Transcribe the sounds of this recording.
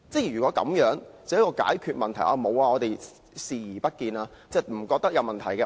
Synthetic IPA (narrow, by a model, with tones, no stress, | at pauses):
t͡sɛ˥˩jyː˨kʷwɔː˨˥kɐ̰˨˧˥mjœː˨˥ŋt͡sɐ˨wjɐ˥kɔː˧ka̰ː˨˥jkʰyː˧t̚mɐ˨nt̪ʰɐ˨˩jʔaː˨˧mo˨˧waː˧ɔː˨˧t̪e˨j | siː˨jiː˨˩pɐ˥t̚kiː˧naː˧ | t͡sɛː˥˩m̩˨˩kɔː˧k̚t̪ɐ˥k̚jɐ˨˧wmɐ˨nt̪ʰɐ˨˩jkɛː˧